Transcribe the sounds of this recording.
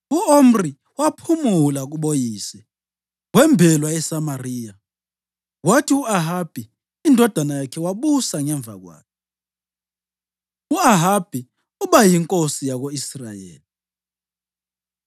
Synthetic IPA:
uom̩ri | wapʰumulaɣ̬uɓojiːsɛ | wɛmbʱɛlwajɛsamariːja | watʰiuaɦab̥ʱiː | ndʱɔd̥ʱanajakʰɛwaɓusaŋɛɱb̪vʱa̰ɣ̬wa̰ːkʰɛ | uaɦab̥ʱi | uɓajiŋkʼosijaɣ̬oisra̰jḛːli

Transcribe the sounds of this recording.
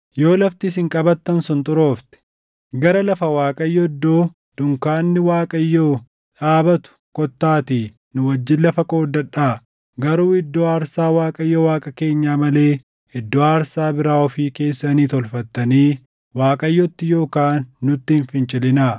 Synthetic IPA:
jo̞ːlɐft̪ɪsɪŋkʼɐbɐt̪ːɐnsʊnt̪ʼʊɾo̞ːft̪ɛ̥ | ɡɐɾɐlɐfɐwaːkʼɐjːɔɪd̪ːoː | d̪̥ʊŋkaːnːɪwaːkʼɐjːoː | ᶑaːbɐt̪ʊ̥kɔt̪ːaːt̪iː | nʊwɐd͡ʒːɪnlɐfɐkoːd̪ːɐᶑaː | ɡɐɾuːɪd̪ːoːaːɾsaːwaːkʼɐjːɔwaːkʼɐke̞ːɲːaːmɐle̞ː | ɪd̪ːoːaːɾsaːbɪɾaːɔfiːke̞ːsːɐniːt̪ɔlfɐt̪ːɐniː | waːkʼɐjːɔt̪ːɪjo̞ːkaːnːʊt̪ːɪːnfɪnt͡ʃʼɪlɪnaː

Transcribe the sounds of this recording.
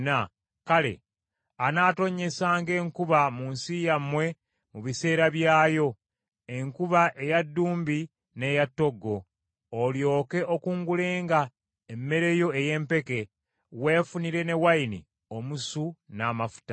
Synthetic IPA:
na | kale̞̰ | anaːto̞ɲːe̞saːŋɡe̞ːŋkuβamuːnsijamwe̞ | muβise̞ːɾaβjaːjo̞ | e̞ŋkuβaʔe̞jadːuːmbi | ne̞jatːo̞ɡːo̞ː | ljo̞ːke̞ʔo̞kuːŋɡule̞ːŋɡa | emːe̞ɾe̞jo̞eje̞ːmpe̞ke̞ | we̞ːfuniɾe̞ne̞wainḭ | o̞musunaːmafu̥ta

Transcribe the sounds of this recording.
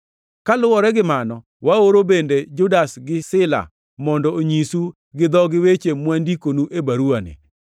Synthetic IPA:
kalʊwɔɾɛɡɪmanɔ | waoɾobended͡ʒʊdasɡɪsɪla̰ | mɔndɔoɲisu | ɡɪd̪ɔɡɪwet͡ʃemwandikonuʔebaɾuanɪ̰

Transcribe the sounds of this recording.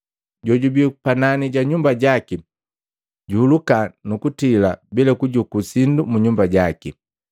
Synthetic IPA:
ɟɔɟubipananiɟaɲumbaɟaki | ɟuhulukanukutila̰bilɛkuɟukusindumuɲumbaɟaki

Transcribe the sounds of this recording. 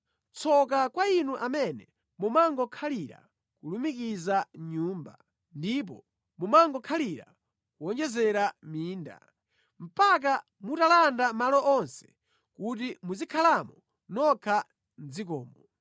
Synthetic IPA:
t͡sʰɔkakwainuʔamɛnɛ | mumaŋɡɔkʰaliɾa̰ | kulumikizaɲuːmba̰ | ndip̬ɔ | mumaŋɡɔkʰaliɾa̰ | kuɔnd͡ʒɛzɛɾamiːnda̰ | m̩pak̬a | mutalandamalɔʔɔnsɛ̥ | kut̬imuzikʰalamɔ | nɔkʰa | n̩zikɔ̰ːmɔ

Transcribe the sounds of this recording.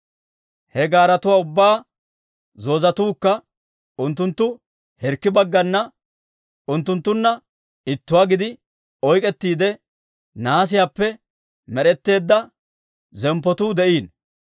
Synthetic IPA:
hɛɡaːɾɐt̪ʊwaːʊbːaː | zo̞ːzɐt̪uːkːɐ | ʊnt̪ːʊnt̪ːʊ | hɛɾkːɪbɐɡːɐnːɐ | ʊnt̪ːʊnt̪ːʊnːɐ | ɪt̪ːʊwaːɡɪd̪ɪ | ɔjkʼɛt̪ːiːd̪ɛ | naːs̬ɪjapːɛ | mɛɾɛt̪ːe̞ːd̪ːɐ | zɛmpːɔt̪uːd̪ɛʔiːn

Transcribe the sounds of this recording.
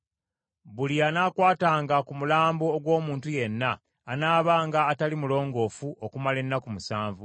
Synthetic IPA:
βulianaːkwaːtaːŋɡakumulaːmboːɡwo̞ːmuːntuje̞nːaː | naːβaːŋɡaːtalimulo̞ːŋɡo̞ːfuʔokumale̞nːakumusaːɱvu

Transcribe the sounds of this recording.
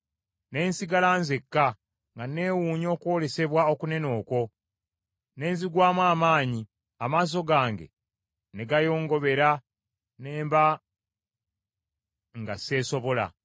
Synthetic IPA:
ne̞ːnsiɡalaːnzekːa | ŋɡane̞ːwuːɲo̞ːkwo̞ːle̞se̞βwao̞kune̞no̞ːko̞ | ne̞ːnziɡwaːmwaːmaːɲi | amaːs̬o̞ɡaːŋɡe̞̰ | ne̞ɡajo̞ːŋɡo̞βe̞ɾa | neːmba | ŋɡase̞ːso̞βo̞la̰

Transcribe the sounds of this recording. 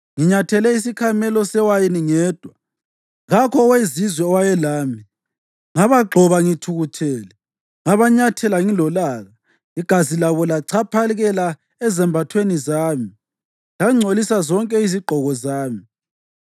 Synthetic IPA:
ŋiɲatʰɛlɛis̬ikʰamɛlɔsɛwajiniŋɛːd̥ʱwa | ŋakʰɔwezizwɛwajɛlaːmi | ŋaβaɡ͡ǃʱɔβaŋitʰuɣutʰɛːlɛ | ŋaβaɲatʰɛlaŋilɔlaːɣa | iɡ̥ʱazilaβɔlaǀʰapʰalɣɛla | ɛzɛmbʱatʰwenizaːmi | laŋ͡ǀʱolisazɔŋkʼɛiziɡ͡ǃʱɔɣɔzaːmi

